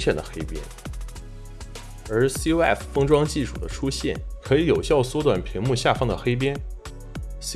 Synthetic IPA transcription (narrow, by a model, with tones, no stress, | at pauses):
ɕjɛ˨˩nd̪ə̰˩xe˥ɪpjɛ̰˥n | ə˞˧˥si˥ɛ˥˩ffɤ˥ŋʈ͡ʂwɑ˥ŋt͡ɕi˥˩ʂu̥̰˨˩d̪ə̰˦ʈ͡ʂʰu˥ɕjɛ˥˩nkʰɤ˧˥i˨˧˥jo˨˩ʊɕjɑ˥˩ʊswɔ˥t̪wa̰˨˩npʰi˧˥ŋmu˥˧ɕja˥˩fɑ˥ŋd̪ə˨xe˥ɪp̬jɛ˥n | s